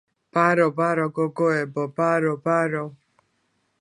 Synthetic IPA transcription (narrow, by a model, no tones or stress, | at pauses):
b̥aɾɔbaɾɔɡɔɡɔɛbɔbaɾɔbaɾɔ